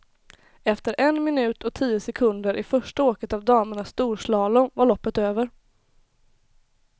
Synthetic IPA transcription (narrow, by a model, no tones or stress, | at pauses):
ɛft̪əɾʔɛnmɪnʉ̟ːt̪ʰɔt̪ʰiːəsɛkʰɵnd̪əɾʔɪfœʂʈəoːkət̪avd̪ɑːməɳast̪uːɾʂlɑːlʊvaɭɔpːət̪øːvəɾ